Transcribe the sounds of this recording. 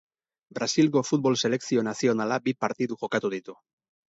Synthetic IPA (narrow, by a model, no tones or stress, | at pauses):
bɾasilko̞fut̪̚bo̞lse̞le̞ksio̞nasio̞nalabipaɾt̪iðuʝo̞kat̪uðit̪u